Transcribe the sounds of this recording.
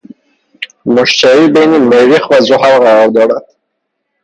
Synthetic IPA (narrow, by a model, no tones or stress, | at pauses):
muʃt͡ʃʰaɾibejnimeɾiχvazuɦaɾʁaɾɔɾd̪ɔɾad̪̥